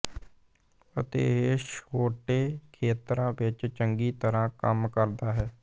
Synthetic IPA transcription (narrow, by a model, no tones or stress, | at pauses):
ət̪ḛːeʃoːʈeːkʰeːt̪ɾãːʋɪt͡ʃt͡ʃəŋɡiːt̪əɾãːkəmkəɾd̪aːɦɛː